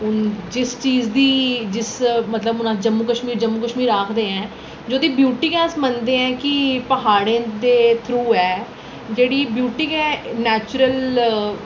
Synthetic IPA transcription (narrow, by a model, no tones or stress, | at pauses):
ʊnd͡ʒɪst͡ʃiːzd̪iːd͡ʒɪsmət̪ləbʊnãːd͡ʒəmːuːkəʃmiːɾd͡ʒəmːuːkəʃmiːɾaːkʰd̪eːɛ̃ː | d͡ʒoːd̪iːbjuːʈɪŋɛ̃ːsmənd̪eːɛ̃ːkɪpəɦaːɽẽːd̪eːt̪ʰɾuːɛː | d͡ʒeːɽiːbjuːʈɪŋɛ̃ːnɛːt͡ʃʊɾəl